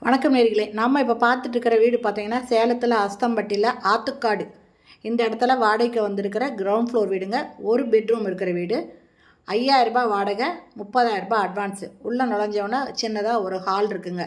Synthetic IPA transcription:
ʋɐɳɐkːɐmneːɾɪɣɪɭeːnɐmːɐɪp̬ːoːpaːɾt̪ɯʈːɾɯkːɪɾɐʋiːɽɯpaːɾt̪iːŋɡɐnːaːseːlɐt̪ːɯlɐɐst̪ɐmbɐʈːɪlɐʔaːt̪ːɯkːaːɽɯ | ɪnd̪ɐɪɽɐt̪ːɯlɐʋaːɽɐɪkːɐʋɐnd̪ɪɾɯk̬ːɪɾɐɡɪɾɐwʊɳɖfɭoːɾʋiːɽɯŋɡɐɔɾɯbɛɖɾuːmɪɾɯkːɪɾɐʋiːɽɯ | ɐjːaːjɪɾɯbaːʋaːɽɐɣɐmʊpːɐðaːjɪɾɯbãːɐɖʋaːnsɯʊɭːɐnɔɽɐɲd͡ʒɐʋnːaːt͡ʃɪnːɐðãːɔɾɯhaːlɪɾɯkːɯŋɡɐ

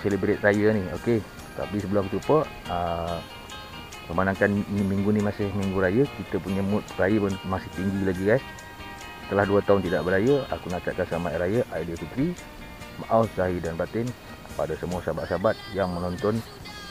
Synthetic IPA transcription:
selibɾɪt̪̚rajənioke | t̪a̰pisəbəluakt͡ʃ̪upəə | məmanaŋkanimiŋɡunimasɪhmiŋɡuɾajəkit̪əpuɲəmʊt̪̚rajəənmasɪht̪iŋɡilaɡikas | sə̥t̪əlahduət̪aʊnt̪idaʔbəɾajəa̰kunat͡ʃaʔ̚kansəamaɾajəʔaidiəfit̪ɾi | maʔaussaɦidanbat̪ɛn | padasəmuasabaʔ̪̚sabat̪̚jaŋmənɔnt̪ɔn

